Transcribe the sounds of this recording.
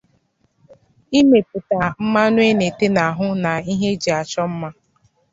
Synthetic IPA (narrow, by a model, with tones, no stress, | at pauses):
i˦me˨pʊ˨ta˨m̩˦ma˦nʊ˦e˦ne˨te˦na˨ɦʊ˦na˨i˦ɦe˦d͡ʒi˨a˨t͡ʃɔ˦m̩˦ma˦